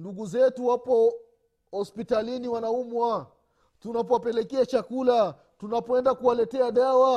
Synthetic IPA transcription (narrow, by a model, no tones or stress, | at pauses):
nduɡuzɛtuwapɔ | hɔspitaliniwanaumwa | tunapɔwapɛlɛkɛat͡ʃakula | tunapɔɛndakuwalɛtɛaɗawa